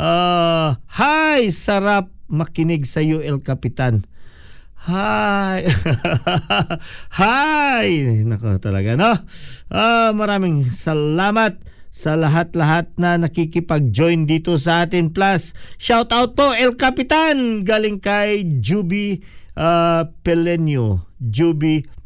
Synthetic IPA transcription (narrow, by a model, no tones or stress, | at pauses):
ʔo | hajsɐɾap̚mɐkɪnɪɡsɐjuʔɛlkɐpɪt̪an | haj | hajnɐko̰t̪ɐ̰lɐ̰ɡanoʔamɐɾaːmɪŋsɐlaːmɐt̪̚ | sɐlɐɦat̪lɐɦat̪̚nɐnɐkikɪpɐɡ̚d͡ʒojnd̪iːt̪o̞s̬ɐʔaːt̪ɪŋplasʃawt̪awt̪̚poʔɛlkɐpɪt̪anɡaːlɪŋkɐjd͡ʒubiʔapɛlɛnjod͡ʒuːbi